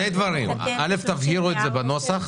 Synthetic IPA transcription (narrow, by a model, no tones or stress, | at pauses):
ejd̪vaʁimale̞ft̪avɦiʁuetze̞bano̞saχ